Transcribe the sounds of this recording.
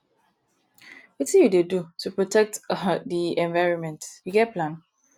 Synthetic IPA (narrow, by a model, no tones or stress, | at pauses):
witĩjudedutʰupɹotʰɛk̚tdiɛ̃nvaɪɹɔ̃nmɛ̃ntjiɡɛt̚pʰlãn